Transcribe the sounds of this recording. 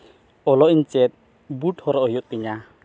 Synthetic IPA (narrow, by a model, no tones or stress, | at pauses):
ɔlɔiɲt͡ʃɛt̪̚ | buʈhɔɾɔʔɔɦijɔt̪̚kiɲa